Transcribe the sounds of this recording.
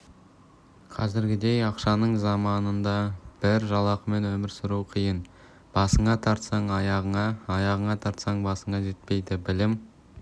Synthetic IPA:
qʰɑzɪɾɡʲɪd̪e̞jɑqʃɑnəɴzɑmɑnənd̪ɑb̥ɪɾʒɑlˠɑqəme̞nwɵmɪɾsʊɾuwqʰijən | b̥ɑsəɴɑt̪ʰɑɾt̪sɑɴɑjɑʁəɴɑːɑjɑʁəɴɑt̪ʰɑɾt̪sɑɴbɑsəɴɑʒe̞t̪̚pe̞jd̪ɪbɪlɪm

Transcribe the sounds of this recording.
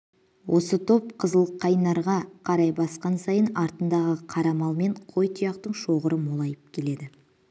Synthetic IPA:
wʔo̞sət̪ʰo̞pqʰəzəlˠqʰːɑjnɑɾʁɑqʰɑɾɑjbɑsqɑnsɑjənɑɾt̪ənd̪ɑʁəqʰɑɾɑmɑlˠme̞ɴqʰo̞jt̪ʰijɑq̚t̪əɴʃo̞ʁəɾəmolˠɑjəp̚kʲʰe̞le̞d̪ɪ

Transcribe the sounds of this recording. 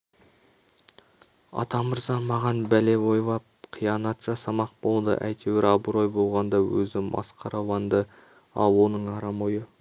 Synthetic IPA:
ɑ̰t̪ɑməɾzɑmɑʁɑnbæle̞bo̞jvɑ | qʰijɑnɑt̪ʃɑsɑmɑq̚bolˠd̪ə̰ʔæ̰jt̪ʰeweɾɑbuɾo̞jbo̞lˠʁɑnd̪ɑwɵzɪmɑ̰sqʰɑɾʔɑwɑnd̪ə | ɑ̰lˠwonəɴɑɾɑmojə

